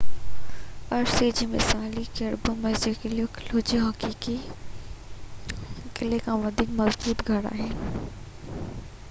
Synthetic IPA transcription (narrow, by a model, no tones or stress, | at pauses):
ɐɾsid͡ʒimɪ̰saːlikeɐɾbumːɛːzekelokloːd͡ʒiɦɐkiːki | kɪlekaʋɐd̪ʱikmɐzbuːt̪ɡʱɐɽa̰ɦɛː